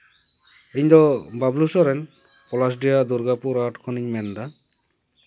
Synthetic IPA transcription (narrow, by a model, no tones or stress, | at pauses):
eɲd̪ɔbablusɔɾɛn | kɔlas̬ɖijad̪uɾɡapuɾaʈkʰɔniɲmɛnd̪a